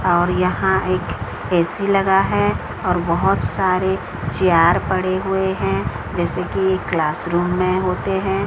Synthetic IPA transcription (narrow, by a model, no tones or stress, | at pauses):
ɔːɾjɐɦãeːk | eːsilɐɡaɦɛ | ɔːɾbɐɦʊt̪saːɾe | t͡ʃijaːɾpɐɽeɦʊeɦɛ̃ | d͡ʒɛːsekiekːlaːsɾuːmːẽɦoːt̪eɦɛ̃ː